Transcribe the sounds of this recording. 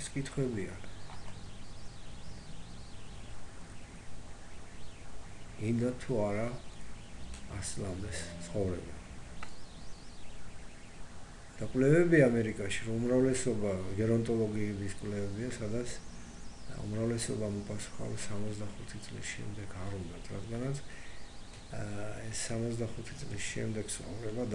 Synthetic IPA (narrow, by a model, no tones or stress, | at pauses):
skʼit̪ʰχwɛbia̰n | ɡind̪at̪ʰuaɾa | st̪sʼlamd̪ɛst̪sʰχɔvɾɛba | d̪̥akʼlɛvɛbiamɛɾikʼaʃiɾɔumɾavlɛsɔbaɡɛɾɔnt̪ʼɔlˠɔɡiɛbiskʼlɛvɛbiasad̪at̪s | ṵmɾavlɛsɔbamupʼasu̥χa̰vsamɔt̪zsʰd̪aχut̪ʰit̪sʼlḭsʃɛ̰md̪ɛɡʰaɾund̪at̪ʰɾad̪ɡanat̪sʰ | ɛsːamɔt̪sd̪aχut̪ʰit̪sʼlisʃɛ̰md̪ɛɡ̚t̪sʰχɔ̰vɾɛbad̪